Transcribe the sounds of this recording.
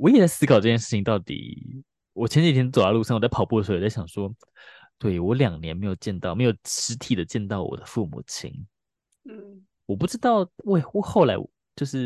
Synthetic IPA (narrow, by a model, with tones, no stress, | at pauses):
wɔ˧˥jɛ˨˩t͡sa˥˩ɪsɹ̩˥kʰɑ˨˩ʊʈ͡ʂɤ˥˧˩t͡ɕjɛ˥˧nʂɻ̩˥˩t͡ɕʰi˨˩ŋ˦t̪ɑ˥˩ʊt̪ḭ˨˩ | wɔ˨˩t͡ɕʰjɛ˧˥nt͡ɕi˨˩t̪ʰjo˨˩a˥lu˥˧ʂŋ˨˩t͡sa˥˩pʰʊpu˥˩ə˩ʂt͡sa˥˩ɪɕɑ˨˩ŋʂwɔ˥ | t̪we˥˩ɪwɔ˧˥ljɑ˨˩ŋnjɛ˧˥nme˧˥ɪjo˨˩ʊt͡ɕjɛ˥˧nt̪ɑ˥˧ʊme˧˥ɪjo˨˩ʊʈ͡ʂɻ̩˧˥t̪ʰi˨˩d̪ə˦t͡ɕjɛ˥˧nt̪ɑ˥˩ʊwɔ̰˨˩d̪ə˦fu˥˩mṵ˨˩t͡ɕʰḭ˧˥ŋ | wɔ˨˩pu˥˩ʈ͡ʂɻ̩˥t̪ɑ˥˩ʊwe˥˩ɪ˥˩xo˥˩ʊla˧˥ɪwt͡ɕjo˥˧ʊʂɻ̩˥˩